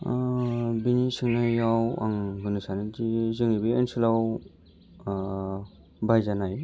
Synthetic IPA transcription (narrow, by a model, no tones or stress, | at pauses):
binisɯŋnajjawa̰ŋɡɯnɯsanid͡ʒizɯŋibiensilaw | bajzanaj